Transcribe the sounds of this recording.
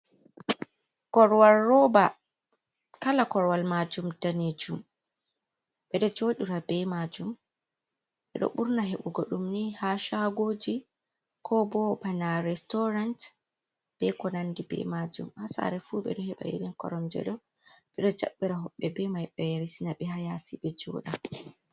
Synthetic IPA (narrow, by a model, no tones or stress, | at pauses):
kɔɾwalːɔba | kalakɔɾwalmad͡ʒumdaned͡ʒum | ɓɛɗɔd͡ʒoːɗiɾabɛmad͡ʒum | ɓɛɗɔ̰ɓuɾnaɦɛɓuɡoɗumnihaʃaɡod͡ʒi | kʰɔbɔbanaɾɛstɔɾant | b̥ɛkɔnandibɛ̰mad͡ʒṵmhasa̰ɾɛfuɓɛ̰ɗɔhɛɓa̰jḛɗɛnkɔ̰ɾɔmd͡ʒɛ̰ɗɔ | ɓɛɗɔd͡ʒa̰ɓːiɾaɦɔɓːɛbɛmajɓɛɾisinaɓɛhajasiɓɛd͡ʒɔ̰ɗa